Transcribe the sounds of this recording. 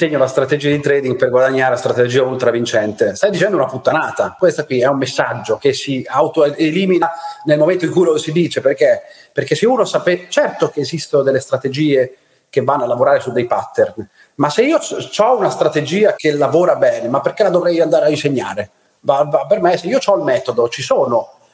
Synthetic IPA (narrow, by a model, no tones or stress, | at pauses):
seɲːolast̪ɾat̪ed͡ʒiːad̪it̪ɾɛːd̪iŋɡ̚perɡwad̪aɲːaːɾelast̪ɾat̪ed͡ʒiːaolt̪ɾavint͡ʃɛnt̪est̪ajd̪it͡ʃɛnd̪ounaput̪ːanaːt̪akwest̪akwiɛumːesːad͡ʒːok̟esːiawt̪oeliːminanelmoment̪oiŋkujlosid̪iːt͡ʃeperk̟e | perk̟esːeuːnosaːpet͡ʃɛrt̪ok̟eːzist̪onod̪elːest̪ɾat̪ed͡ʒiːe | kevːanːoalːavoɾaːɾesud̪ːejpat̪ːern | maseiːot͡ʃɔunast̪ɾat̪ed͡ʒiːakelavoːɾabɛːnemapːerk̟elad̪ovɾɛjand̪aːɾeainseɲːa̰ːɾe | vavapermeseiːot͡ʃɔlmɛːt̪od̪ot͡ʃisoːno